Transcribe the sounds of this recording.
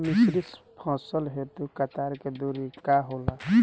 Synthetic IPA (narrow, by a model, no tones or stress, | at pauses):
mɪsɾispʰɔ̃ːsəlɦet̪ukɐt̪aːɾked̪uɾikaɦoːla